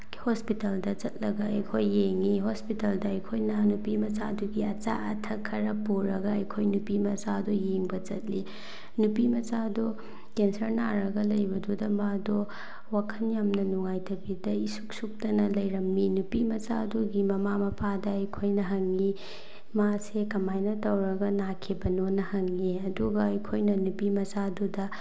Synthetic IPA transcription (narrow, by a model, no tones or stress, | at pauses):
hospitaldɐt͡ʃɐt̚lɐɡɐɐjkʰojːeŋiɦospitɐldɐɐjkʰojnɐnupimɐt͡ʃaduɡiɐt͡ʃa̰ɐtʰɐkʰːɐɾɐpuɾɐɡɐɐjkʰojnupimɐt͡ʃadojeŋbɐt͡ʃɐ̰t̚li | nupimɐt͡ʃado | kensɐɾnaɾɐɡɐlɐjbɐdudɐmado | wakʰɐnjamnɐnuŋajtɐbidɐisuk̚suk̚tɐnɐlɐjɾɐmːinupimɐsaduɡimɐmamɐpʰadɐɐjkʰojnɐɦɐŋli | masekɐmajnɐtɐwɾɐɡɐnakʰibɐnonɐhɐŋiɐduɡɐɐjkʰojnɐnupimɐsadudɐ